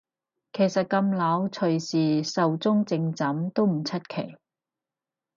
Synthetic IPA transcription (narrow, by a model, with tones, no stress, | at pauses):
kʰe˨˩jsɐ˨t̚kɐ˧mlɐ˨˥wt͡sʰɵ˨˩ɥsiː˨˩sɐ˨wt͡sʊ˥ŋt͡sɪ˧ŋt͡sɐ˨˥mt̪o˥wm̩˨˩t͡sʰɐ˥t̚kʰe˨˩j